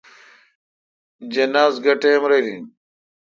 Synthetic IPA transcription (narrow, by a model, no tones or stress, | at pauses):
d͡ʑɐnaːzɡɐʈemɾelḭn